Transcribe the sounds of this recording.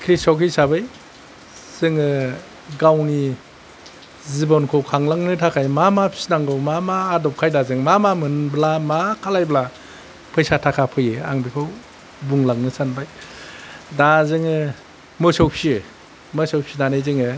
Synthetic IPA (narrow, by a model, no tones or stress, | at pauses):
kʰɾisɔwkʰisabɯj | z̥ɯŋɯ | ɡawni | zibɔnkʰɔwkʰaŋlaŋnɯtʰakʰajmamapʰi̥snaŋɡɔwmamaːdɔp̚kʰajdazɯŋmamamɯnblamakʰalajbla | pʰɯjsatʰakʰapʰɯjɯa̰ŋbikʰɔw | buŋlaŋnɯsanbaj | dazɯŋɯ | mɯsɔwpʰi | mɯsɔwpʰinanɯjzɯŋɯ